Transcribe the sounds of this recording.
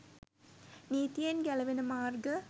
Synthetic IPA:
niːt̪ijenɡɛlɐʋenɨmaːrɡə

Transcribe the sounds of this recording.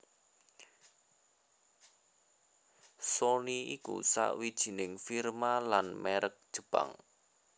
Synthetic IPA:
soniikṵsa̰ʔwid̥ʒ̥i̤nɪŋfirmalanmɛɾʔək̚d̥ʒ̥ə̤b̥a̰ŋ

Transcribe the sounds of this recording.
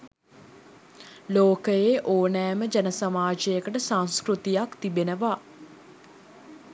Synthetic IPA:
loːkəjeʔoːnɛːməd͡ʒænəsamaːd͡ʒəjəkəʈəsanskɾut̪ijakt̪ibenəʋa

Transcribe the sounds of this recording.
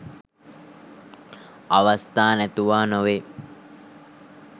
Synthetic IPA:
aʋɐst̪aːnɛt̪uʋaːnoʋe

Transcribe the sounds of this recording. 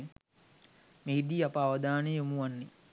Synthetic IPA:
meɦid̪iːapəːʋɐd̪aːneomuʋanːi

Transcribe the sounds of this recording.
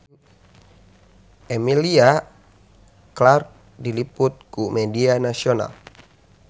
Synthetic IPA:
ɛmilia | klark̚ | diliput̪̚kumɛdianasiona̰l

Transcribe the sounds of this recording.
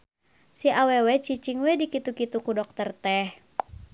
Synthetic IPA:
siʔawɛwɛt͡ʃit͡ʃiŋwɛdikit̪ukit̪ukudɔk̚t̪ərt̪ɛh

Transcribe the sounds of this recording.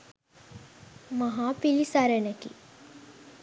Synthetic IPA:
maɦaːpilisaɾənekḭ

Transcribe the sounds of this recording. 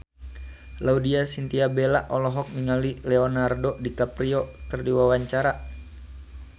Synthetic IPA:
laudiasint̪iabelaʔɔlɔɦɔk̚niŋalilɛɔnardɔdikapɾiɔkɨrdiwawaɲt͡ʃaɾa

